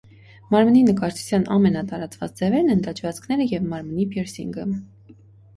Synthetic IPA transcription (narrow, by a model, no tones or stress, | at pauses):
mɑɾməninəkɑɾt͡ʃʰu̥t͡sʰjɑnʔɑmɛnɑt̪ɑɾɑt͡svɑt͡sd͡zɛvɛɾnɛnd̪ɑt͡ʃʰvɑt͡skʰn̪ɛɾəjɛvmɑɾmənipʰjɛɾsḭŋɡə